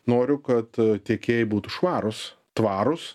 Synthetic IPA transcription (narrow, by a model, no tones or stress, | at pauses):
noːɾʲʊkɐt̪t̪ʲeɛkʲeːjɪbuːt̪ʊʃʋɑːɾʊs | t̪ʋɑːɾʊs